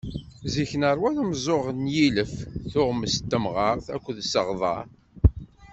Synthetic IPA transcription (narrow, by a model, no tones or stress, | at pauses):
ziçənəɾˤwænəmzˤoʁnjiləfθʊʁməst̪ːəmʁɑʁθæ̰kʷːðsəʁðˤɑ̰ɾ